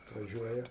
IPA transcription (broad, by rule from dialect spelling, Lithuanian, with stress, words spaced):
ɐtʋɐˈʒʲuɔjɛ